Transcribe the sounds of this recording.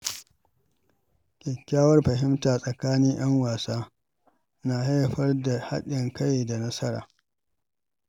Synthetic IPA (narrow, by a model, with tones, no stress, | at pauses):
kʲʼɪ˨kʲːaː˦wɐ˦rɸɐ˨hɪ˦mtaː˨sʼɐ˨kaː˦niː˦j̰ɐ˦ŋwaː˨saː˦ | naː˨ɦa˦jɸɐ˦rda˨ha̰˦ɗɪ˨ŋka˦jda˨nɐ˦sɐ˦ɽa̰ː˨